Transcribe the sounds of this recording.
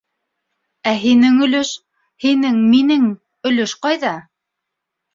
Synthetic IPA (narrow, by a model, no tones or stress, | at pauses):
æɦinɘŋɵ̆lɵʃ | hinɘŋminɘŋ | ɵ̆lɵʃqɑjðɑ